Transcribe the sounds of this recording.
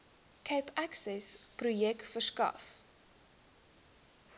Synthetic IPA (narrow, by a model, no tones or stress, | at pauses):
kʰɛjpʰæksɛsprujɛktfərskɐ̰f